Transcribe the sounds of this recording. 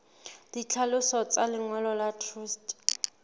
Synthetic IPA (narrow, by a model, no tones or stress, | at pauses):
d̥it͡ɬʰalʊsɔt͡sʼalɪŋwɛlɔlatʰruːstʼ